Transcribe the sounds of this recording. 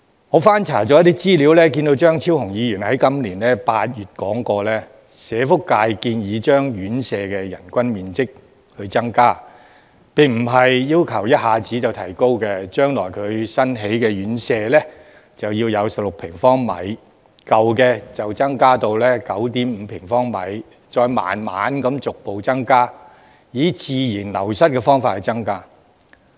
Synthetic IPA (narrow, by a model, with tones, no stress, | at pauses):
ŋɔː˨˧faː˥nt͡sʰaː˨˩t͡sɔ˨˥jɐ˥t̪iː˥t͡siː˥liː˨˥wlɛː˥ki˧nt̪o˧wt͡ʃœː˥ŋt͡sʰiː˥wɦʊ˨˩ŋjiː˨˧jyː˨˩nhɐ˨˥jkɐ˥mliː˨˩nlɛː˥paː˧t̚jyː˨t̚kɔː˨˥ŋkɔː˧lɛː˥ | sɛː˨˧fʊ˥kkːaː˧jkiː˧njiː˨˧t͡ʃœː˥ŋjyː˨˥nsɛː˧kɛ˧jɐ˨˩nkʷɐ˥nmiː˨nt͡sɪ˥k̚ | hɵ˨˧ɥt͡sɐ˥ŋkaː˥ | pɪ˨ŋm̩˨˩ɦɐ˨jjiː˥wkʰɐ˨˩wjɐ˥t̚haː˨t͡siː˨˥t͡sɐ˨wt̪ʰɐ˨˩jko˥wkɛː˧t͡ʃœː˥ŋlɔː˨˩jkʰɵ˨˧ɥsɐ˥nɦe˨˥jkɛː˧jyː˨˥nsɛː˧lɛː˥ | t͡sɐ˨wjiː˧wjɐ˨˧wsɐ˨p̚lʊ˨k̚pʰɪ˨˩ŋfɔː˥ŋmɐ̰˨˥j | kɐ˨wkɛː˧t͡sɐ˨wt͡sɐ˥ŋkaː˥t̪o˧wlɛː˥kɐ˨˥wt̪iː˨˥mm̩ː˨˧pʰɪ˨˩ŋfɔː˥ŋmɐ̰˨˥j | t͡ʃɔː˧jma̰ː˨nma̰ː˨˥nkɐ˨˥mt͡sʊ˨k̚po˨wt͡sɐ˥ŋkaː˥ | jiː˨˥t͡siː˨jiː˨˩nlɐ̰˨˩wsɐ˥t̚kɛ˧fɔː˥ŋfaː˧t̚hɐ˨˧jt͡sɐ˥ŋkaː˥